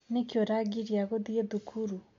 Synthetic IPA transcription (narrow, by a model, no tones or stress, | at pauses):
nekjoɾaɡiɾiaɣoðieðukʰuɾu